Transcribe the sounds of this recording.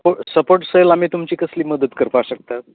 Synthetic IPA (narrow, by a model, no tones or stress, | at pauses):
poʈsəpoʈsəjlam̤iːt̪umt͡ɕiːkəsliːməd̪ət̪kəɾpaɕək̚t̪at̪